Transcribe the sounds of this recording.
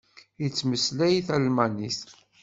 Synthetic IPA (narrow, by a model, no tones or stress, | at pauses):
it͡sːməslæjθælmænis